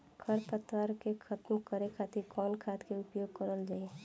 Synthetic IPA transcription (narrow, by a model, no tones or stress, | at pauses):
ɡʰəɾpət̪waɾkekʰət̪mkəɾekʰat̪ikɔnkʰat̪keʊpjoɡ̚kəɾəld͡ʒaːie